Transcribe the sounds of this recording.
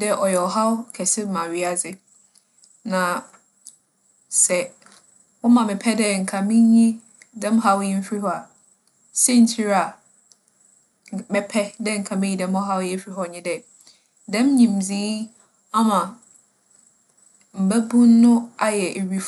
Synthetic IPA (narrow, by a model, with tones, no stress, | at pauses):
dɛ˦ʔɔ˨jɛ˨ɔ˨ɦa˦wkʰɛ˨sɪ˦m˦mã˨ɥi˨a˨d͡zɪ˦ | nã˨ | sɛ˨ | wɔ˦mã˨mɪ̃˨pʰɛ˦dɛ˦˨ŋ̩˨kʰã˨mĩ˦ɲĩ˦ | dɛ̃˦mɦa˦wjɛ˦m̩˦fi˦hɔ˦a˨ | sɛ˦n̩˨tʰi˦ɾa˨ | mɪ̃˦pʰɛ˦dɛ˦ŋ̩˨kʰã˨mĩ˦ɲi˦dɛ̃˦mɔ˦ɦa˦wjɛ˦fɾi˦ɦɔ˦˨ɲɪ̃˦dɛ˦˨ | dɛ̃˦mɲĩ˨m̩˨d͡zi˨˦ | a˦mã˨ | m̩˨bæ˦bũ˦nː˦ʊ̃˦a˦jɛ˨ʔe˨ɥi˨f